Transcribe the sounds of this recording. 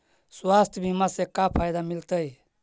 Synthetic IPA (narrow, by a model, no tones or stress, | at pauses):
swaːst̪ʰbʱimasekapʰaːjd̪amɪlt̪əi